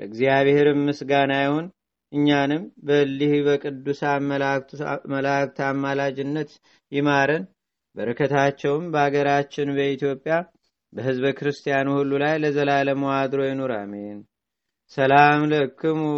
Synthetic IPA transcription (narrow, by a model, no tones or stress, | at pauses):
ləɨɡzijaβhe̞ɾɨmːɨsɡanajhon | ʔɨɲːanɨmbəlːihbəkʼɨd̪ːusa | məlak̚t̪ʰamːalad͡ʒɪnːət̪ | jɪmaɾən | bəɾɨkʰət̪ʰat͡ʃːɛwɨmbəhaɡəɾat͡ʃːɪnbəit̪jo̞pʼːja | bəhɨzbəkʰɨɾɨst̪ʰijanuhulːulajləzəlaləmowad̪ɨɾo̞jɪnoɾa̰men | səlamlɨkːɨm